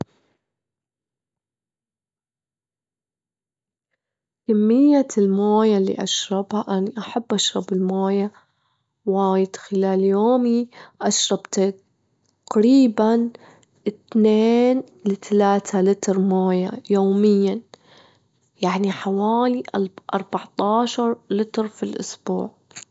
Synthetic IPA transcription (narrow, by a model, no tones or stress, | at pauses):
kamːɪjːalmaːjalːḭːʔaʃɾˤɑbhaʔaniʔaħabːʔaʃɾˤɑbɪlmaːja | waːjɪd̪̥xɪlaːljoːmiʔaʃɾˤɑbt̪a | qɾiːban | ʔɪt̪neːn | lɪt̪alaːt̪ʰalɪt̪ɾˤmaːja̰joːmɪjːan | jaʕniħawaːliʔʔɑ̰ɾˤbɑʕt̪ˤɑːʃɑɾˤlɪt̪ɾˤfilʔʊ̰sb̥ṵːʕ